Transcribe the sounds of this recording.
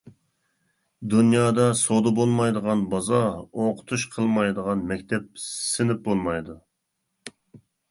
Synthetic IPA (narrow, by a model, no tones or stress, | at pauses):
d̪unjɑːd̪ɑsod̪ɑbolˠmɑjd̪əʁɑnbɑzɑoqʰʊ̥t̪ʰuʃqʰəlˠmɑjd̪əʁɑnmɛkʲt̪ʰɛp̚sɪnɪp̚bolˠmɑjd̪u